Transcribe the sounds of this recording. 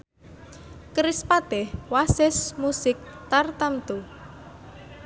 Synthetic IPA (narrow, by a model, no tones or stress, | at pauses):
kəɾɪspat̪ɛhwasɪsmusɪk̚t̪art̪amt̪u